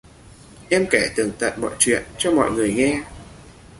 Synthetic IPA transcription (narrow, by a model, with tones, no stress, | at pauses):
ʔɛ˧mkɛ˧˩t̪ɨ˨˩ŋt̪a̰ː˧˨jmɔ̰˧˨jt͡ɕwḭ˧˨ənt͡ɕɔ˧mɔ̰˧˨jŋɨ˨˩əjŋɛ˧